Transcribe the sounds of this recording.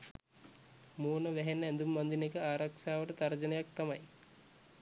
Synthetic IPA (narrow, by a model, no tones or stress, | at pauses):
moːnəʋæɦenːəænd̪umːand̪inekəaːɾakʂaːʋəʈət̪aɾd͡ʒənəjak̚t̪amɐj